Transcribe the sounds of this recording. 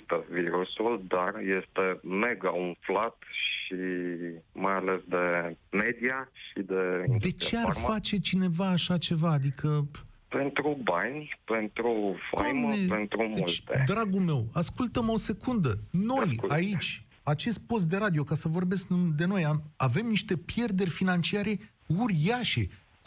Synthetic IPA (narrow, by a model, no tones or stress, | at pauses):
t̪eviɾusuld̪arje̞st̪eme̞ɡaunflat̪ʃi | majale̞sd̪e̞med̪iaʃid̪e̞d̪e̞t͡ʃe̞arfat͡ʃe̞t͡ʃine̞vaːʃat͡ʃe̞vaːd̪ikʰəpe̞nt̪ɾubanʲpent̪ɾufa̰amnepent̪ɾumeult̪ed̪ɾaɡulme̞waskult̪əmo̞se̞kund̪əno̞jait͡ʃʲ | at͡ʃe̞st̪̚po̞s̬t̪̚d̪e̞ɾad̪io̞kasəvo̞rbe̞skd̪e̞no̞jamave̞mniʃt̪e̞pje̞rd̪e̞rʲfinant͡ʃiaɾe̞ | uɾaʃe̞